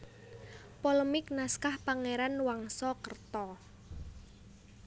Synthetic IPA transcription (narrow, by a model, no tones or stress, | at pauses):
poləmɪk̚naskahpaŋeɾanwaŋsɔkərt̪ɔ